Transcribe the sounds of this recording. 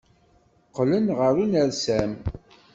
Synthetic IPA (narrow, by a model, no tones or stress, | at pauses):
qlənʁəɾunəɾsæm